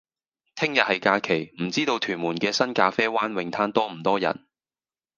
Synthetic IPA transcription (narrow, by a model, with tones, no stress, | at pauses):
t̪ʰɪ˥ŋjɐ˨t̚hɐ˨jkaː˧kʰe˨˩jm̩˨˩t͡siː˥t̪o˧wt̪ʰyː˨˩nmuː˨˩nkɛː˧sɐ˥nkaː˧fɛː˥waː˥nwɪ˧ŋt̪ʰaː˥nt̪ɔː˥m̩˨˩t̪ɔː˥jɐ̰˨˩n